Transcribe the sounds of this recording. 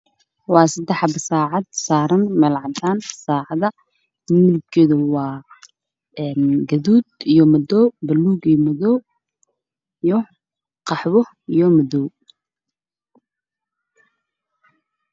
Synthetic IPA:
wɑːsɐd̪ɛħbɐsaːʕɑd̪̚saːɾɐnmɛlʕɑd̪ʰaːnsaːʕɑðɐ | mɪlɡɡɛðɐwɑː | ɛnɡɐðuːd̪̚ijɔmɐd̪ɔːbɐlːuːɡijmɐðɔː | ijɔ | qɑħwɔ | ijɔmɐðɔːw

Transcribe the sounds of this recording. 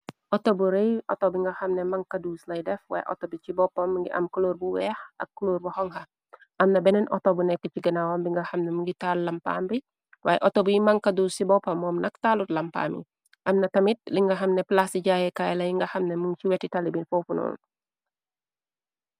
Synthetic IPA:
ʔɔtobuɾejʔɔ̰tɔbiŋɡɐxɐmnɛmɐŋkɐduːslɐjdɛfwa̰ːjɛ̰ʔɔ̰tobit͡ʃibɔpːɐmːəŋɡiʔɐ̰mkuloːɾbuwɛːxɐ̰kːloːɾbuhɔŋhɐ | ʔɐmnɐbɛnɛnʔɔtɔbunɛkːəciɡɐnawɐmbiŋɡɐxɐmnɛmuŋɡitaːllɐmpa̰ːmbi | waːjɛ̰ʔɔtɔbijimɐŋkɐduːsibɔpːɐmːɔmnɐktalutlɐmpa̰ːmḭ | ʔɐmnɐtɐmit̚liŋɡɐxɐmnɛplasiɟaːjɛkajlɐjiŋɡɐxɐmnɛmuŋt͡ʃiwɛtːitalibinfofunɔ̰l

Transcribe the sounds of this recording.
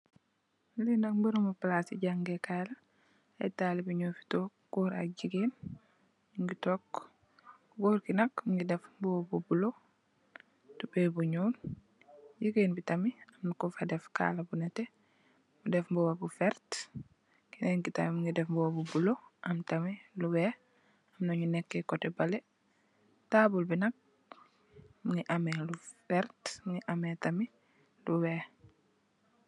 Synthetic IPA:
lindɐkmbuɾumuplasḭɟaŋɡekaːlɐ | ajtaːlibuɲoːfi̥to | ɡ̥oːɾa̰ɟiɡen | ŋɡitɔkː | ɡɔɾkinɐkmuŋɡidɛfbuwabubulo | tubebuɲuːn | ɟiɡeːnbitɐmiɐmnukɔfadɛfka̰ːlɐbunɛtɛ | mudɛfmbuwabufɛɾt | kinɛŋkitamimuŋɡidɛfmbuwabubuloʔɐmtɐmiluwɛ | ɐmnoɲunɛkːekɔtɛbɐle | taːbulbinɐk̚ | muŋiʔamɛlufɛɾtmuŋiʔametɐmi | luwɛ

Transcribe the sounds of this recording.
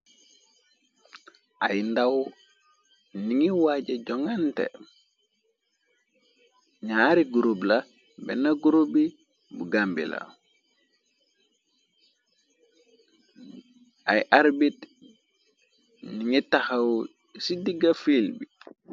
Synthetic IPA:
ʔajndaw | niŋiwaɟeɟɔŋantḛ | ɲaɾiɡuɾubla | bɛ̰naɡuɾubi | buɡambḭla̰ | ʔajʔaɾbit | nniŋitaxaw | sidiɡafilbi

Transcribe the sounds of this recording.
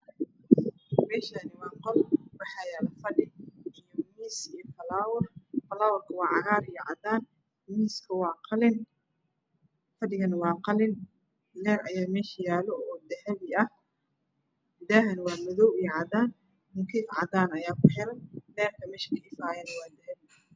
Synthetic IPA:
mɛːʃanɪwɑːŋqɔlwɑħɑːjaːlɐfɐɖɪijɔmiːsijɔfɐlaːwɐrfɐlaːwɔrkʰɐwɑːʕɑɣaːɾijɔʕɑ̰d̪aːn | miːskʰɐwɑːqʰɑlɪn | fɐɖɪɣɐnɪwɑːqɑlɪn | lɛːɾɐ̰jaːmɛːʃɐjaːlɔɔːd̪ɛhɐβɪɐh | d̪ɛːɦɐnwɑːmɐðɔwijɔʕɑd̪aːn | hʊkʰiʕɑ̰d̪aːnɐjaːkʰʊħɛlɐnlɛːrkʰɐmɛːʃkɐʔɪfaːjɛnɐwɑːd̪ɛhɛβɪ

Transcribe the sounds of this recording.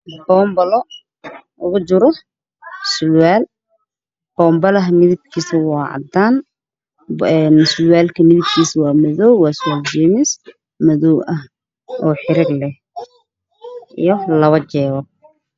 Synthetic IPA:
b̥ɔːmbɐlɔ | ʔʊɣʊt͡ʃʊɾɔ | sʊlwaːl | b̥ɔːmbɐlɐɦmɪðɪb̚kʰiːsɐwɑːʕɑ̰d̪aːn | ɛnsʊlwaːlkʰɐmɪðɪb̚kʰiːsɐwɑːmɐðɔwwɑːsʊwaːld͡ʒiːmɪs | mɐðɔwʔɐh | ʔɔːħɪɾɪɡlɛh | ʔḭjɔlɐβɐt͡ʃɛːβɔ

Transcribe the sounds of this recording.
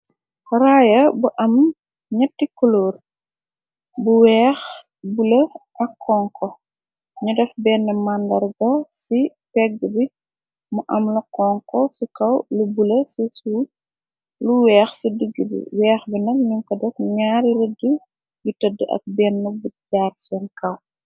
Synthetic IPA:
raːjɐbuʔɐm | ɲɐtːikɔloːr | buwɛːx | bulɐʔɐkʰːɔŋkʰɔ | ɲudɛfbɛnːəmandɐrɡɐsi | pɛɡːəbi | muʔɐmlɐkɔŋkɔsikɐwlubulɐsisu | luwɛːxsidəɡːəbḭwɛːxbinɐlɲuŋkɔdɛfɲaːɾɾədːu | jutɐdːəʔɐ̰k̚bɛnːubuɟaːrsɔnkɐw

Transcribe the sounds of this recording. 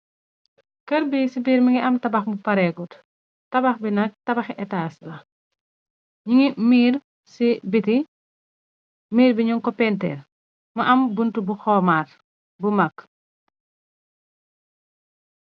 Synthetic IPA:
kɐɾbisibiːɾmiŋɡiʔɐmtɐbɐxmupɐɾɛɡut | tɐbɐxbinɐk̚tɐbɐxʔɛtaːslɐ | ɲiŋimiːɾ | sibiti | miːɾbiɲuŋkɔpɛntɛ̰r | mɐʔɐmbuntubuxɔːmaːr | bumɐkː

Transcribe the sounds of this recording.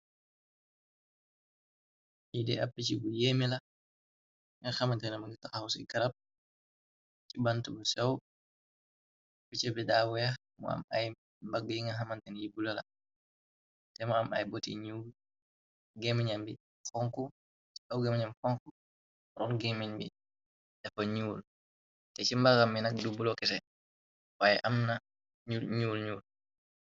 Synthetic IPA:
jidɛ̰apːit͡ʃibujeːmila | ŋaxamantɛnɛmaŋɡitaxawsɛ̰ɡaɾap̚ | t͡ʃibantubusɛw | pːit͡ʃɛbɛdaːwɛx | mɔ̰a̰ma̰j | mbaɡəjiŋɡɐɦamantɛnjibulala̰ | dɛmɔama̰jbotḭɲul | ɡɛmiɲambḭ | fɔŋkɔ | t͡ʃi̥awɡɛmɛɲamfɔŋku | ɾɔnɡeminbḭ | dɛfɔɲuːl | tɛt͡ʃimbaɡamːinak̚dubulɔkɛsɛ | wajɛ̰ʔamna | ɲuɲulɲuːl

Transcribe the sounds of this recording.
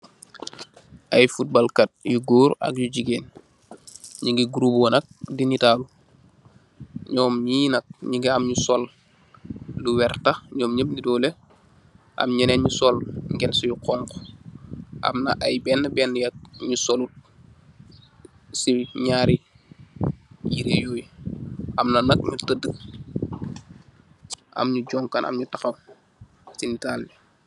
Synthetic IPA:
ʔajfut̚balkat̚juɡoːɾɐ̰k̚juɟiɡeːn | ɲiɡiɡuɾubɔnɐk̚dinitaːlu | ɲɔːmɲinɐk̚ɲiɡiamɲusɔl | luwɛɾtaɲɔːmɲəbnidɔːle | ʔɐ̰mɲɐnenɲusɔlŋɡɛnsujuqɔŋko̥ | ɐ̰mnɐʔajbɛːnːəbɛnːjɐk̚ɲusolut̚ | siɲaːɾi | jiɾejoːj | ɐmnɐnɐk̚ɲutədək̚ | ʔɐ̰mɲuɟɔːŋkɐnʔɐ̰mɲutɐxɐw | sinitaːlji

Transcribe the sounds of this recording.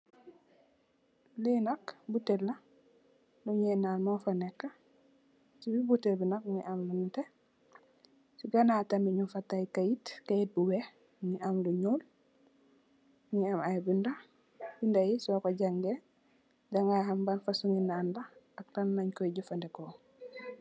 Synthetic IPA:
linɐkbutɛlːɐ | luɲɛnaːnmɔfanɛkːa | sibibutɛbinak̚ɲiʔamlunute | siɡanatamiɲufatajkajitkajit̚buwe | ɲiʔamluɲuːl | ɲiamajbinda | bindajisɔkoɟaŋɡe | d͡ʒaŋɡajhambanfasuŋinaːnda | ak̚tanːaɲkɔɟufandɛkɔ

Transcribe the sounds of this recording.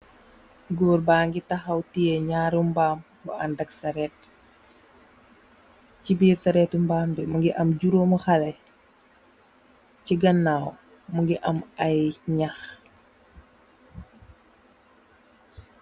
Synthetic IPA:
ɡɔːrbaːŋɡitɐxɐwtijɛɲaːɾumbaːm | bɔɐndɐksɐɾɛːt̚ | cibiːɾsɐɾɛtumbaːmdɛmuŋɡiʔɐmɟuɾoməxɐlɛ | ciɡɐnːaːw | muŋɡiʔɐmɐjɲax

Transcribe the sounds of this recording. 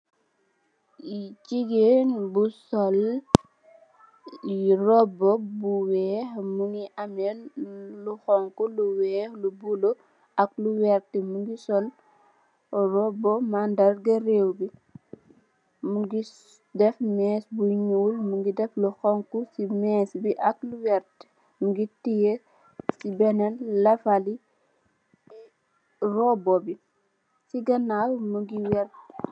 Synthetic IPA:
jiciɡeːnbusɔl | jirɔbɔbuwɛːxmuŋiʔɐmɛnluxɔŋkuluwɛːxlubulo | ʔɐk̚luwɛɾtimuŋɡisɔl | rɔbɔmandɐrɡɐreːwɡi | muɡis | dɛfmɛːsbuɲuːlmuŋɡidɛfluxɔŋkusimɛːsbiʔɐk̚luwɛɾt | muɡitije | sibɛnɛlːɐfali | rɔbɔbi | siɡɐnalmuɡiwɛɾ

